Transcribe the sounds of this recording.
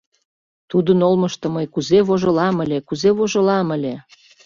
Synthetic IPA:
t̪ud̪ənolməʃt̪ə̆məjkuzeβoʒɤ̆lɑməlʲekuzeβoʒɤ̆lɑməlʲe

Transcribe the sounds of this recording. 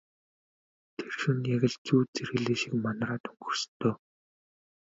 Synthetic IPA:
t̪ʰerʃɵ̆njaɣʲɘ̆ɮt͡suːt͡seɾɣɘ̆ɮeːʃĭkmanraːt̪ɵŋɡɵ̆rst̪ʰːɵː

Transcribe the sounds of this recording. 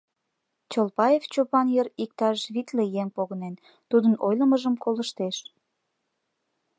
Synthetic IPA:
t͡ɕolpɑjeft͡ɕopɑnjərik̚t̪ɑʃβit̪lejeŋpoɣənen | t̪ud̪ənojləməʒəmkoləʃt̪eʃ

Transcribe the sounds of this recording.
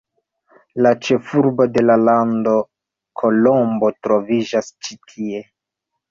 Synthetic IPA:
lat͡ʃe̞fuɾbo̞de̞lalando̞ | kʰo̞lombo̞tɾo̞vid͡ʒast͡ʃitʰie̞

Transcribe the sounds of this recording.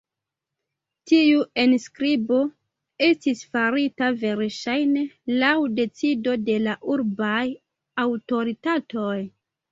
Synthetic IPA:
tiue̞nskɾibo̞ | e̞stisfaɾitave̞ɾʃajne̞lawde̞t͡sido̞de̞laʔuɾbaj | awto̞ɾitato̞j

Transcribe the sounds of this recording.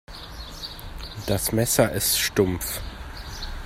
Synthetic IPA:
d̥asmɛsɐʔɪstʃtʊmf

